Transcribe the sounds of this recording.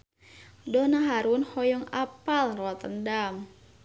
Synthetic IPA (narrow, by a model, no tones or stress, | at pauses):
dɔnaɦaɾunhɔjɔŋapalrɔt̪əndam